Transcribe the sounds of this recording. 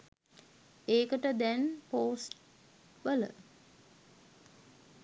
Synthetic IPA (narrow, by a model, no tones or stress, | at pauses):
eːkəʈəd̪ɛnpoːsʈ | ʋələ̰